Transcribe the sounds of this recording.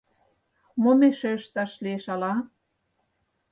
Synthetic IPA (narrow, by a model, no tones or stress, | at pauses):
momeʃøʃt̪ɑʃlieʃɑlɑ